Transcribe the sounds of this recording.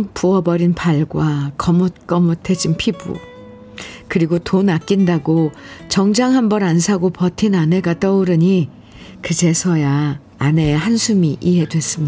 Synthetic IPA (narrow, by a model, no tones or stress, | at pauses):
ŋpuʌbʌɾinpaɭɡwakʌmot̚k͈ʌmotʰe̞d͡ʑinpʰibṵ | kɯɾiɡotonak͈indaɡot͡ɕʌŋd͡ʑaŋɦambʌnansʰaɡopʌtʰinane̞ɡat͈ʌuɾɯɲi | kɯt͡ɕe̞sʰʌjaː | ne̞hansʰumiʔiɦe̞dwe̞s͈ɯmɲia